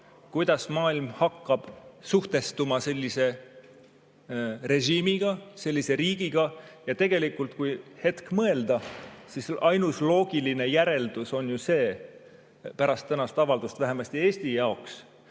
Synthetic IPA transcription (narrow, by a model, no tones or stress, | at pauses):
kujd̪̥ɑsmɑːilmhɑkːɑb̥suht̪e̞st̪umɑse̞lʲːise̞ | re̞ʑiːmiɡ̥ɑse̞lʲːise̞ɾiːɡ̥iɡ̥ɑjɑt̪e̞ɡ̥e̞likːˑult̪̚kujhe̞t̪kmɤe̞ld̪̥ɑsisɑjnuslo̞ːɡ̥iline̞jæɾe̞ld̪̥uso̞njuse̞ː | pæɾɑst̪ːænɑst̪ɑvɑld̪ust̪væɦe̞mɑst̪ie̞ːst̪ijɑoks